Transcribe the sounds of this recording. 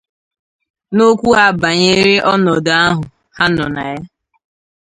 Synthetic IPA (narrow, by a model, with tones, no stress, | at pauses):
no˦kʷu˦a˨ba˨ɲe˦ɾe˦ʔɔ˦nɔ˨da˦ɦʊ˨ | ha˦nɔ˨na˨ja˦